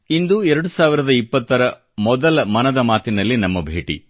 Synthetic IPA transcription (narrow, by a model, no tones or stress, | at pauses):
ind̪uɛɾɐɽusaːʋiɾɐd̪ɐipːɐt̪ːɐɾɐ | mɔd̪ɐlɐmɐnɐd̪ɐmaːt̪inɐlːinɐmːɐbʱḛːʈḭ